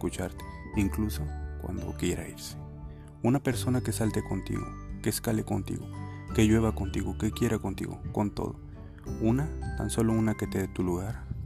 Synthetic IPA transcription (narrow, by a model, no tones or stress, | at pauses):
kut͡ʃaɾt̪e̥iŋklusokwa̰nd̪o̰keɾʔa̰js | unapeɾsonakesalt̪ekont̪ḭɣo̰keskalekont̪ḭɣo̰ | keʝweβakont̪iɣokekjeɾʔakont̪ḭɣo̰kont̪o̰ðo̰ | unat̪a̰nsolounaket̪eðet̪uluɣaɾ